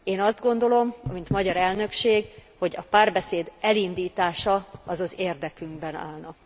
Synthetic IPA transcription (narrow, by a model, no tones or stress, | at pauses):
eːnɒzd̪ɡo̞nd̪o̞lo̞mɒmint̪mɒɟɒɾɛlnø̞kʃeːɡho̞ɟɒpaːrbɛseːd̪ɛlind̪iːt̪aːʃɒɒzɒzeːrd̪ɛkyŋɡbɛna̰ːlnɒk